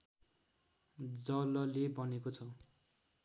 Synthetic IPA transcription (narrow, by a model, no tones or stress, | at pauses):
d͡zʌlʌlebʌnekot͡sʰʌ